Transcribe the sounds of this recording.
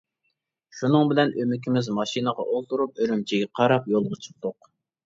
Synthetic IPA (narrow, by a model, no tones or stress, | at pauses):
ʃunɨŋbɪlɛnʔømɪkʲʰimɪzmɑʃinəʁɑ̰ʔolˠt̪uɾup̚øɾymt͡ʃʰiɡʲɛqʰɑɾɑpjolˠʁʊt͡ʃʰə̥p̚t̪ʊq